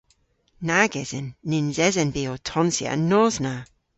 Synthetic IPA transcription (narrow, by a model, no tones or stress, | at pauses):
naɡɛz̥ənːɪnzɛzənbiːotʰɔnsia̰nːɔzna